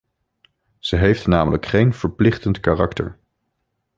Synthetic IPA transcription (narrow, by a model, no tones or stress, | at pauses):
z̥əɦejftnaːmələkχejnv̥əɹplɪχtəntkaːrɑktə̰ɹ